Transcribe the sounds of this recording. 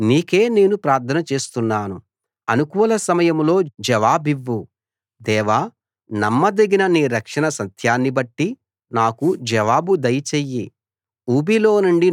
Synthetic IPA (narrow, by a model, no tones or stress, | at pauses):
niːke̞ːne̞ːnupɾaːɾt̪ʰɐnɐt͡ʃe̞ːst̪unːaːnu | ɐnukuːlɐsɐmɐjɐmlo̞ːd͡ʒɐʋaːbiʋːu | d̪ɛːʋaː | nɐmːɐd̪eɡinɐniːɾɐkʂɐɳɐsɐt̪ʰjaːnːibɐʈːi | naːkud͡ʒɐʋaːbud̪ɐjt͡ʃeːjːi | uːbilo̞ːnuɳɖi